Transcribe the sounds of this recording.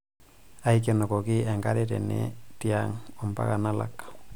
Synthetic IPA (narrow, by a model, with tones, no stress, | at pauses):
a˦jke˨no˨ko˨ki˦e˨ŋɡa˦ɾe˦tḛ˨nḛti˦aŋompa̰˦ka˨nala̰k